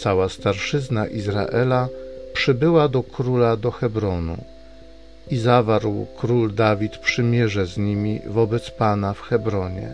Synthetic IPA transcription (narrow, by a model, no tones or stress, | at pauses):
sawast̪aɾʂɘznaʔizɾa̰ʔɛlapʂɘbɘwad̪ɔkɾulad̪ɔxɛbɾɔnṵ | izavaɾwkɾuld̪avʲit̪pʂɘmʲjɛʐɛzɲimʲḭvɔbɛt̪spanafxɛbɾɔɲɛ̰